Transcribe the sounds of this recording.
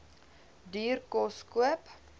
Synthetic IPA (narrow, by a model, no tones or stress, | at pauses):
dyːrkɔskuəp